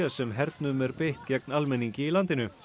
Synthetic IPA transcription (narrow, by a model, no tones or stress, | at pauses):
asːɛmɦɛɾt̪nʏmɛɾpeht̪cɛknalmɛnːiŋcɪilant̪ɪnʏ